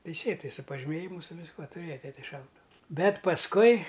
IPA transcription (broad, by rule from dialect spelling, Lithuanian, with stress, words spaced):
tʲɛɪˈsʲeːtɐɪ sʊ pɐʒʲɪˈmʲeːjɪmʊ sʊ ʋʲɪsˈkuɔ tʊˈrʲeːjɛ ˈtʲæːtʲɛ ˈʃɐʊtʊʋʊ ˈbʲɛt pɐsˈkʊɪ